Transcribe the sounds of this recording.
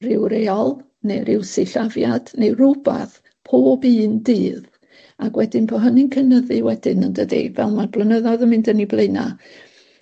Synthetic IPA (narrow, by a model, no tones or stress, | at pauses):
rɪwɾeɔlˠ | nejɾɪwsɪɬavjad̥nejruba̰θ | pʰoːbɨːndɨːð | aɡwɛdɪnpʰɔɦənɪnkʰənəðɨwɛdɪnəndədḭvɛlˠmanblˠənəðɔðəmɪndəniblˠeɨna̰